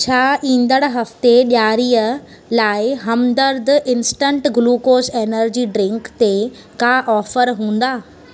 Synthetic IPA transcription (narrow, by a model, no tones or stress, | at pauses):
t͡ɕʰaːʔĩːn̆d̪əɽ̃ɦɐft̪eɓjaːɾiːə | laːɪɦɐmd̪əɾd̪ɪnsʈə̃ɳʈɡluːkoːseːnəɾd͡ʑiːɖɾɪ̃ŋkt̪e | kaːʔɔːfəɾɦũːn̆d̪aː